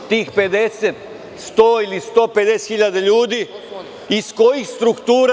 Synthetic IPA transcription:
t̪iːxpe̞d̪e̞set̪ | st̪oilist̪oːpe̞d̪eset̪xiʎad̪aʎuːd̪i | isko̞jixst̪ɾukt̪uːɾ

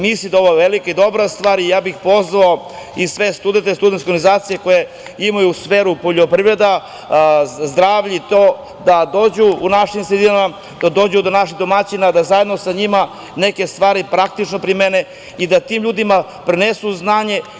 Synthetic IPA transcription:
misid̪ao̞ʋoʋelikaid̪o̞bɾast̪ʋaːɾijaːbixpo̞zʋao | isʋe̞st̪ud̪ent̪est̪ud̪ent̪koɡanizaːt̪sije̞ko̞je | imajuːsfeːɾupoʎopɾivɾe̞d̪a | zd̪ɾaːʋʎit̪oː | d̪ad̪o̞ːd͡ʑuːnaʃimsed̪iama | d̪̥ad̪o̞ːd͡ʑud̪onaʃ̬iɣd̪o̞mat͡ɕinad̪azaje̞d̪no̞saɲima | neke̞st̪ʋaːɾipɾak̚t̪it͡ʃnopɾimene | id̪at̪iːmʎuːd̪ima | pɾenesuznaːɲe̞

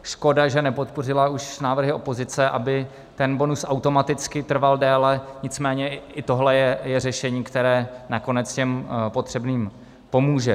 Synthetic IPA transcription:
ʃko̞daʒɛnɛpo̞t̪̚po̞rɪlauʃnaːvr̩ɦɪo̞po̞zɪt͡sɛʔa̰bɪ | t̪ɛnbo̞nusʔawt̪o̞mat̪ɪt͡skɪt̪r̩valdɛːlɛɲɪt͡smɛːɲɛɪt̪o̞ɦlɛjɛjɛrɛʃɛɲiːkt̪ɛɾɛːnako̞nɛtt͡scɛmpo̞t̪r̥ɛbniːm | po̞muːʒɛ

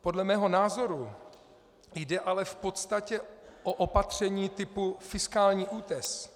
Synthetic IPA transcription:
po̞dlɛmɛːɦo̞naːzo̞ɾu | jdɛʔalɛfpo̞t̪st̪acɛʔoʔopat̪r̝̥ɛɲiːt̪ɪpufɪskaːlɲiːʔuːt̪ɛs

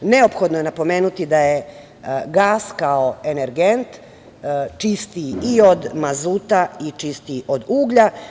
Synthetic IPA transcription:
neo̞pxo̞d̪noje̞napo̞meːnut̪id̪aje | ɡaːskaoeneɾɡent̪ | t͡ʃist̪iio̞d̪mazuːt̪ait͡ʃist̪iʔod̪uːɡʎa

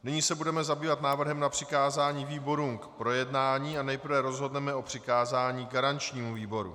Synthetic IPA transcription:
nɪɲiːsɛbudɛmɛzabiːvat̪naːvr̩ɦɛmnapr̝̥ɪkaːzaːɲiːviːbo̞ɾuːmkpɾo̞jɛdnaːɲiːanɛjpr̩vɛɾo̞zɦo̞dnɛmɛʔo̞pr̝̥ɪkaːzaːɲiːɡaɾant͡ʃɲiːmuviːbo̞ɾṵ

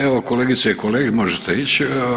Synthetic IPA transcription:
eʋokoleɡit̪seikoleːɡimoʒet̪ʰeit͡ɕ

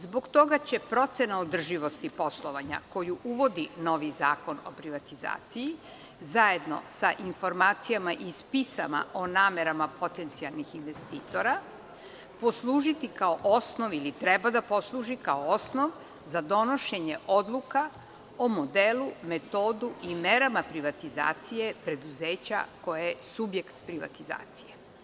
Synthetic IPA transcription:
zbo̞ɡt̪o̞ɡat͡ɕe̞pɾo̞t̪se̞naod̪r̩ʒiʋo̞st̪ipo̞slˠoʋaɲa̰ko̞juʔuʋo̞d̪ino̞ʋizaːko̞no̞̰pɾiʋat̪iza̰ːt̪siji | zaje̞d̪no̞̰saʔinfo̞ɾmaːt̪sijamaʔispisa̰ma̰ʔonaːme̞ɾamapo̞t̪e̞nt̪sialˠnixinʋe̞st̪iːt̪o̞ɾa | po̞slˠuːʒit̪ikaoʔosno̞ʋilit̪ɾebad̪apo̞slˠuːʒikaoosnoʋ | zad̪o̞no̞ʃe̞ɲe̞ʔo̞d̪lˠuka | omo̞d̪elume̞t̪oːd̪uimeɾamapɾiʋat̪iza̰ːt̪sije̞pɾe̞d̪uzeːt͡ɕa̰ko̞jejesubje̞kt̪pɾiʋa̰t̪iza̰ːt̪sije̞

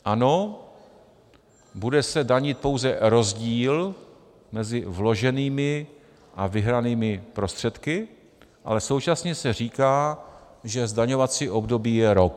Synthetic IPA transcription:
ʔano̞ | budɛsɛdaɲɪt̪̚po̞wzɛɾo̞zɟiːl | mɛzɪvlo̞ʒɛniːmɪ | ʔavɪɦɾaniːmɪpɾo̞st̪r̝̥ɛt̪kɪ | ʔa̰lɛso̞wt͡ʃasɲɛsɛr̝iːkaː | ʒɛzdaɲovat͡siːʔo̞bdo̞biːjɛɾok̚

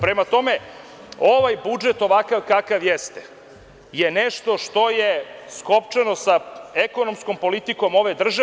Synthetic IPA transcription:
pɾemat̪o̞me̞ | oʋajbud͡ʒet̪o̞ʋakaʋkakaʋjest̪e̥ | jeneʃt̪o̞ʂt̪o̞jeskopt͡ʂeno̞saeko̞no̞msko̞mpo̞lit̪iko̞mo̞ʋed̪r̩ʒa

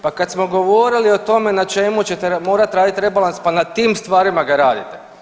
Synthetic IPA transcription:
pakat̪smo̞ɡo̞ʋoɾilio̞t̪o̞me̞nat͡ʃemut͡ɕet̪emo̞ːɾat̪ɾaːd̪it̪ɾe̞balˠanspanat̪iːmst̪ʋaːɾimaɡaɾaːd̪it̪e

